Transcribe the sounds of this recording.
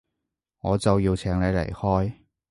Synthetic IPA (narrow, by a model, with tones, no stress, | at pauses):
ŋɔː˨˧t͡sɐ˨wjiː˧wt͡sʰɛː˨˩ŋne˨˧jlḛ˨˩jhɔː˥j